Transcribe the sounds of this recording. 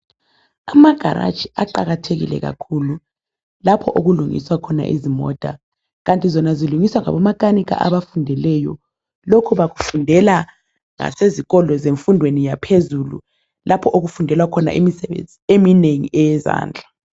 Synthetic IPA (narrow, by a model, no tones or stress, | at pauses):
amaɡ̥ʱaɾa̰t͡ʃʰʼi̥aǃaɣatʰeɣḭlɛ̰ɣa̰kʰulu | lapʰɔʔoɣuluŋḭswakʰɔna̰ʔḭzimɔ̰ːd̥ʱa̰ | ɣantʼizɔnaziluŋiswaŋa̰βɔmakaniɣa̰ʔaβafundʱɛlɛjɔ̰ | lokʰuβaɣufundʱɛla | ŋa̰seziɣɔlɔzeɱfundʱwenijapʰezulṵ | lʔapʰɔʔoɣufundʱɛlwakʰɔna̰ʔemisɛβḛnd͡zʱiemineŋḭɛjɛza̰ːnd͡ɮʱa